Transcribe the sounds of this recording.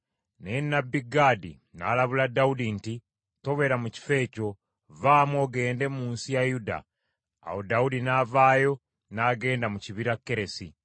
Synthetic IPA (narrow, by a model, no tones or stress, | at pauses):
nenːabːiɡadḭ | na̰laβuladaudinti | to̞βe̞ɾamuci̥fe̞ːco̞ | vaːmwo̞ɡe̞ːnde̞muːnsijajuda̰ː | hodaudinaːvaːjo̞ | naɡe̞ːndamuciβiɾakːe̞ɾe̞si